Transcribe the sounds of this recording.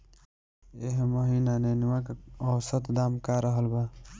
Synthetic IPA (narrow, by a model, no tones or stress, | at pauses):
eɦmoɦinaneniwakɔsət̪d̪aːmkaɾəɦəlba